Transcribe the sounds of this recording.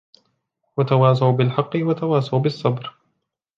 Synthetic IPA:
wat̪awɑːs̬awbɪlħɑqːɨwat̪awɑːsˤawbɪsˤːɑbɾ

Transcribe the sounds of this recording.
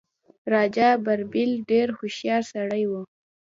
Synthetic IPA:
ɾɑd͡ʒabaɾbɪlɖeɾxoʃjɑɾsaɽəjwu

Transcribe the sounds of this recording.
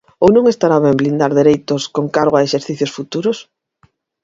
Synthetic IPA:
ownõŋest̪aɾaβɛmblind̪aɾðeɾejt̪oskoŋkaɾɣoaeʃeɾθiθjosfut̪uɾos

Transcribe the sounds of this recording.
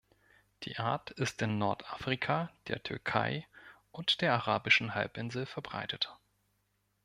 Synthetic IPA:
d̥ḭːʔaɐtɪstɪnːɔɐtʔaːfʁ̥ikʰad̥eːɐtʰʏɐkʰa̰ɪʔʊntd̥eːɐaʁaːbɪʃn̩ha̰lpʔɪnzl̩fɛɐbʁa̰ɪtʰət

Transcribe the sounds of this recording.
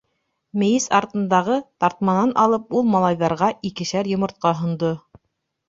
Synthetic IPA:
mɘ̆jɘsɑɾt̪ɤ̆nd̪ɑʁɤt̪ɑɾt̪̚mɑnɑnʔɑlˠɤp̚ulˠmɑlˠɑjðɑɾʁɑʔikɘ̆ʃæɾjŏmɤ̆ɾt̪̚qɑɦŏnd̪o

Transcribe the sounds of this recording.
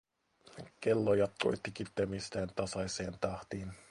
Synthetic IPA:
kelːojɑt̪̚ko̞̰jt̪ːikit̪ːemist̪æːnt̪ɑsɑjse̞ːnt̪ɑht̪iːn

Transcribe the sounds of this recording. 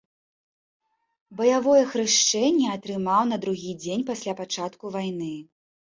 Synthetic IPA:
bɐjavɔjɛxɾɨʂt͡ʂɛnʲːɛɐt̪ɾɨmawnɐd̪ɾuɣʲid͡zʲenʲpasʲlʲapat͡ʂat̪kuvajnɨ

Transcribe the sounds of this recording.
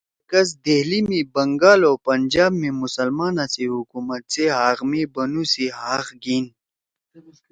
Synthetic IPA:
kɐs̬d̪eɦlimibɐŋɡaːloːpɐnd͡ʑaːbmẽmusɐlmaːnaseɦukuːmɐt̪̚seɦaːɣmibɐnusiɦaːxɡiːn

